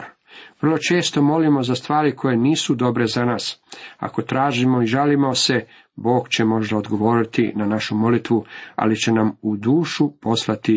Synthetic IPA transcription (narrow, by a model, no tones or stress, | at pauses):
ʋr̩lˠo̞t͡ʃe̞ːst̪o̞mo̞limo̞zast̪ʋaːɾikʰo̞je̞niːsud̪o̞bɾe̞zanaːsa̰ko̞t̪ɾaːʒimo̞iʒalimo̞se̞ | bo̞ːɡt͡ɕe̞mo̞ʒd̪ao̞d̪ɡo̞ʋo̞ːɾit̪inanaʃumo̞lit̪ʋua̰lit͡ɕe̞namud̪uːʃupo̞slˠat̪i